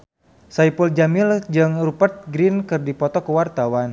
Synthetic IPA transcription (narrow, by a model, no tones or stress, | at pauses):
saipuld͡ʒamild͡ʒɨŋrupərt̪̚ɡɾinkɨrdipɔt̪ɔkəwart̪awan